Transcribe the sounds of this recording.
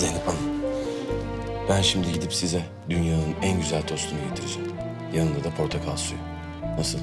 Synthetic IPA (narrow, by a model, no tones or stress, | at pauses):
zenipana | b̥ænʃimd̪iɟid̪ipsizɛ | d̪ynjaːnɯnænɟyzælʲd̪ʰo̞st̪ʰunuɟet̪ʰiɾid͡ʒɛm | janɯnd̪ad̪apʰoɾt̪ʰakʰalˠsujo | nasɯlˠ